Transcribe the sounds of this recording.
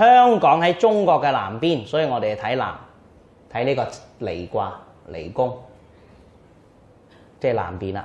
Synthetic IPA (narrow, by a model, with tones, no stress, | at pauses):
hœː˥ŋkɔː˨˥ŋhɐ˨˥jt͡sʊ˥ŋkɔː˧kːɛː˧la̰ː˨˩mpiː˥˩nsɔː˨˥jiː˨˧ŋɔː˨˧t̪e˨˩t̪ʰɐ˨˥jla̰ː˨˩m | t̪ʰɐ˨˥jniː˥kɔː˧ | le˨˩jkʷaː˧ | lḛ˨˩jkʊ˥ŋ | t͡sɛː˥˩la̰ː˨˩mpiː˨na̰˧